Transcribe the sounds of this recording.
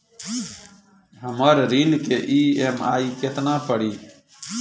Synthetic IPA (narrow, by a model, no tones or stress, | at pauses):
ɦəməɾɾiːlkeʔiːema̰ːiket̪nãːpəɽiː